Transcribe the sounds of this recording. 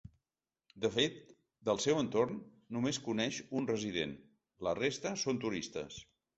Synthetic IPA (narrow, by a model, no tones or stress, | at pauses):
d̪əfet̪̚ | d̪əlˠsɛwənt̪ornː | umeskunɛʃunrəziðḛn | lərest̪əsont̪uɾist̪ə̰s